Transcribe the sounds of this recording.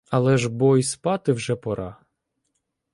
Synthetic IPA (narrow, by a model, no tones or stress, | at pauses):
ɐlˠɛʒbɔjspɑt̪ɪwʒɛpɔɾʔɑ